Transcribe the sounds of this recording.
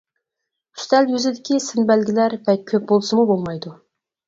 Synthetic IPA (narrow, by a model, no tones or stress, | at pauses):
ʃd̪ɛlwøzɪd̪ɪkʲʰisɪnbælɡʲɪlæɾbɛt̪̚kʲʰøp̚bolˠsəmubolˠmɑjd̪u